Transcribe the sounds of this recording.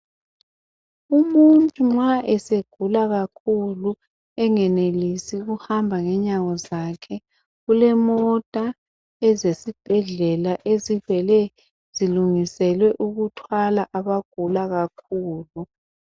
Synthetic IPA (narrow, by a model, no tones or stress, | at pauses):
umuntʼuŋ͡ǁaʔɛseɡ̥ʱulaɣakʰulu | ɛŋɛnelisiɣuhambʱaŋɛɲaɣɔzakʰɛ | ɣulɛmɔtʼa | ɛzesib̥ʱɛɮɛlaʔezivɛlɛ | z̥iluŋisɛlwɛʔuɣutʰwalaʔaβaɡ̥ʱulaɣakʰuːlu